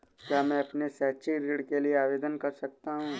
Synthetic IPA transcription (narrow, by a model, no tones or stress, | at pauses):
kjaːmɛ̃ɐpnesɛːt͡ʃiɾiːɽkelieaːʋeːd̪ənkɐɾsɐk̚t̪aɦũː